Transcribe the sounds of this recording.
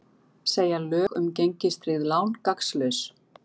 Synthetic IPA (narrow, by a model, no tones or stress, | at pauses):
seːjalœːɣʏ̰mceɲcɪst̪ɾɪðlaːwnkakslœɥs